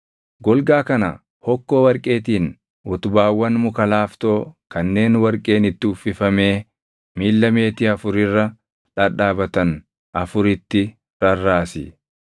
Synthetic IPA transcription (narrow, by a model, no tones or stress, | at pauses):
ɡɔlɡaːkɐnɐ̰ | hɔkːoːwɐɾkʼe̞ːt̪iːn | ʔɔt̪ʊbaːwːɐnmʊkɐlaːft̪o̞ːkɐnːe̞ːnwɐɾkʼe̞ːnɪt̪ːɪʊfɪfɐme̞ː | miːlːɐme̞ːt̪ɪɐfʊɾɪrːɐ | ᶑɐᶑaːbɐt̪ɐn | ʔɐfʊɾɪt̪ːɪ | ɾɐrːaːsɪ